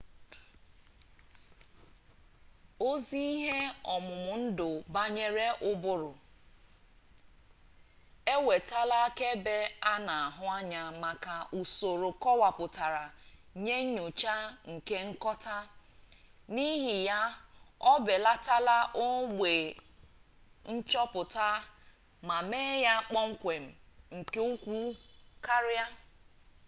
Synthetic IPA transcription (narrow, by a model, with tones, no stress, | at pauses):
o˦zi˦i˦ɦe˦ɔ˨mʊ˨mʊ˨n̩˦dʊ˨ba˦ɲe˦ɾe˦ʔʊ˦bʊ˦ɾʊ˨ | e˦we˨ta˦la˦ke˦be˦a˦na˨a˨ɦʊ˦a˦ɲa˨ma˨ka˨u˨so˨ɾo˨kɔ˦wa˨pʊ˨ta˨ɾa˨ɲe˦ɲu˨t͡ʃa˦ŋ̩˨ke˦ŋ̩˦kɔ˦ta˦ | ni˦ɦi˨ja˦ɔ˦be˨la˦ta˦la˦ʔo˦ɡ͡be˨ | n̩˦t͡ʃɔ˦pʊ˨ta˦ | ma˨me˦ja˦k͡pɔ˦ŋ͡m̩˦kʷe˨m̩˨ŋ̩˨ke˦u˦kʷu˦ka˦ɾa˦